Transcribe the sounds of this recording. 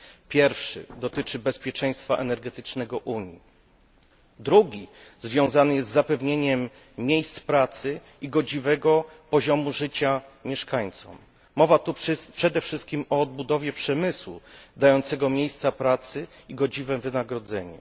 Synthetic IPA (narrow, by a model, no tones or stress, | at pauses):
pʲjɛɾfʂɘ̰d̪ɔt̪ɘt͡ʂɘbɛspʲjɛt͡ʂɛj̃st̪faʔɛnɛɾɡɛt̪ɘt͡ʂnɛɡɔʔuɲji | d̪ɾuɡʲizvʲjɔ̃w̃zanɘjɛszd̪ːapɛvɲeɲɛmːʲ | jejst̪spɾat̪sɘ | iɡɔd͡ʑivɛɡɔpɔʑɔmuʐɘt͡ɕamʲjɛʂkaɲt̪sɔ̰mː | ɔvat̪upʂɛd̪ɛfʂɘst̪̚kʲimɔːd̪̚bud̪ɔvʲjɛpʂɛmɘswṵd̪ajɔnt̪sɛɡɔmʲjejst̪sapɾat̪sɘiɡɔd͡ʑivɛmvɘnaɡɾɔd̪zɛɲṵ